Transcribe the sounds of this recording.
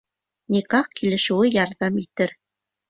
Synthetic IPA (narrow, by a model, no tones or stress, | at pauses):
nʲikɑqkilɘ̆ʃɘ̆wɘjɑɾðɑmit̪ɘɾ